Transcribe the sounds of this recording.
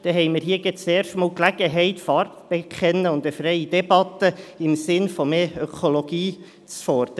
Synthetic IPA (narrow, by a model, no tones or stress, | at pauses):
d̥ɛɦɛɪmɪːɾɦiːəɡɛt͡seːɾʃtmɑːlklæɡ̥əɦɛɪtfɑrtb̥ɛkʰχɛnːəʊnd̪əfɾɛɪid̥ɛbɑt̪əɪmsɪnfɔmeːœkʰoloɡ̥iː | t͡sfɔɾd̥̪